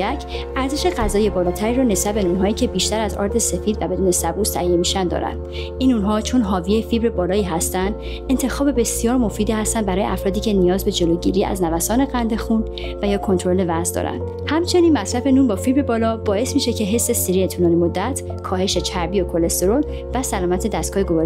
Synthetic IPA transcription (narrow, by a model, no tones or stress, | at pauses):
æcʰ | ʔæɾze̞ʃe̞ɣæzɒːjebɒːlɒːt̪ʰæɾiːɾɔːne̞sbæbe̞nuːnɦɒːiːcʰe̞biːʃt̪æɾæzɒ̰ːɾd̪e̞se̞fiːd̪væbe̞d̪uːne̞sæbuːst̪ʰæʔije̞miːʃænd̪ɒ̰ːɾæ̰nd̪̥ | inunɦɒːt͡ʃʰo̞nɦɒːvijefibɾebɒːlɒːiːɦæst̪ænd̪ | e̞nt̪ʰe̞xɒːbe̞be̞sijɒːɾmo̞fiːd̪iːhæst̪ænd̪bæɾɒːjeʔæfɾɒːd̪iːcʰe̞nijɒːzbe̞d͡ʒe̞loɟiɾiːæ̰znævæsɒːne̞ɣænd̪e̞xun | væjɒːkʰo̞nt̪oɾo̞le̞væzd̪ɒ̰ːɾæ̰nd̪̥ | hæmt͡ʃʰe̞niːnmæsɾæfe̞nuːnbɒːfibɾe̞bɒːlɒbɒːe̞smiːʃe̞cʰe̞ɦe̞sːe̞siɾiet̪ʰunɒːnimod̪ːæt̪ʰ | kʰɒːhe̞ʃe̞t͡ʃʰæɾbiːokʰo̞lest̪oɾol | væsælɒːmæt̪ʰe̞d̪æst̪ɡɒːjeɡovɒːɾ